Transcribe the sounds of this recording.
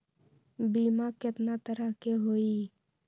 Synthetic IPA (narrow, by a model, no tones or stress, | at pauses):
biːmakɪt̪nat̪əɾəɦkeɦoːiː